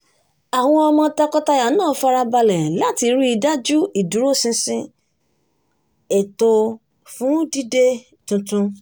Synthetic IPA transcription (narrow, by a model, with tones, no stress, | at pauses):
a˨w̃ɔ̃˧ɔ˧mɔ̃˧ta˧kɔ˦ta˧ja˨˦nãː˦˨˦fa˦˧ɾa˧ba˧lɛ˨la˦˨ti˧ɾi˦i˧da˦d͡ʒu˦i˨du˨˦ɾo˦˨sĩ˧sĩ˧ | e˨to˧ | fũ˦di˦de˦ | tũ˧tũ˧